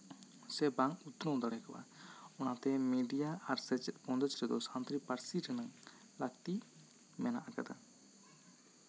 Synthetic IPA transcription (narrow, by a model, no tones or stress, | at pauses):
sɛbaŋkut̪ɾɔ̃wd̪aɽɛkaba̰ɔnat̪ɛmiɖijaʔaɾsɛt͡ʃɛt̪̚bɔ̃nd̪ɔt͡ʃɾɛd̪ɔsant̪ɾipaɾsiɾɛnaŋ | lakt̪i | mɛna̰ʔaka̰d̪a̰